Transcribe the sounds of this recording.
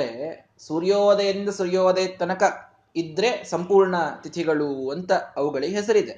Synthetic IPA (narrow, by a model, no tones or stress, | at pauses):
ɾe | suɾjoːd̪ɐjɐɾind̪ɐsuɾjoːd̪et̪ɐnɐkɐ | id̪ːɾe̞sɐmpuːɾɳɐt̪it̪ʰiɡɐɭuɐnt̪ɐːʋuɡɐɭiɦes̬ɐɾid̪e